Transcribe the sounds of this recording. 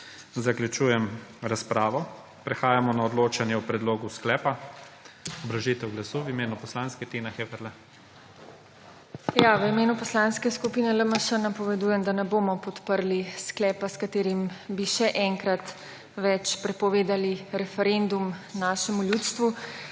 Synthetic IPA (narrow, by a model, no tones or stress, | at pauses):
zakljut͡ʃuːjɛmɾaspɾaːʋɔ | pɾɛxaːjamɔnaɔd̪loːt͡ʃanjɛupɾɛd̪loːɡusklɛːpa | ɔbɾaʒit̪ɛwɡlasuwimeːnupɔslanskɛt̪inaxɛvɛɾlɛ | jaʋəimeːnupɔslãnskɛskupiːnɛləmaʃənapɔʋɛd̪uːjɛmd̪anɛboːmɔpɔt̪pəɾlisklɛːpaskat̪eːɾimbiʃɛʔɛŋkɾat̪ | ʋɛt͡ʃpɾɛpɔʋeːd̪aliɾɛfɛɾend̪umnaːʃɛmuljuːt̪st̪ʋu